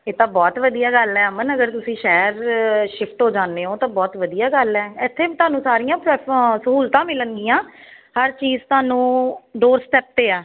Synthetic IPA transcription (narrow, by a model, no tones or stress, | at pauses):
eːt̪ãːbɔːt̪ʋəd̪ijaːɡəlɛːmənəɡəɾt̪ʊsĩːʃɛːɾʃɪpʰʈɦoːd͡ʒaːnd̪eːɦoːt̪ãːbɔːt̪ʋəd̪ijaːɡəlɛːɪt̪ʰːeːbit̪ʊaːnũːsaːɾijãːpɾsəɦuːlt̪ãːmɪləŋɡiːãːhəɾt͡ʃiːzt̪ʊaːnũːɖoːɾsʈɛːp̚t̪eːaː